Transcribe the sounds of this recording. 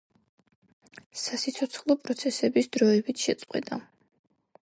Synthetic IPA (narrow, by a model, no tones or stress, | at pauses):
sasit̪sʰɔt̪sʰχlˠɔpʼɾɔt̪sʰɛsɛbisd̪ɾɔɛbit̪ʰʃɛt̪sʼqʼwɛ̰d̪a̰